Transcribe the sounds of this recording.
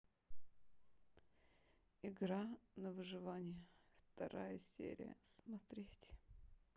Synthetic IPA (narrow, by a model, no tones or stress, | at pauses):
ɪɡɾanəvɨʐɨvanʲɪjəft̪ɐɾʔajəsʲḛɾʲɪ̰jə̰smɐt̪ɾʲetʲ